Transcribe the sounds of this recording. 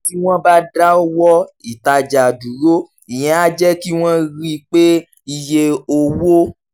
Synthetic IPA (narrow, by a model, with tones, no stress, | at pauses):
ki˦w̃ɔ̃˦ba˦da˦o˦wɔ˦i˨ta˧d͡ʒa˨du˨ɾo˦ | i˨j̃ɛ̃˨a˦d͡ʒɛ˦ki˦w̃ɔ̃˦ɾi˦k͡pe˦ | i˧je˧o˧wo˦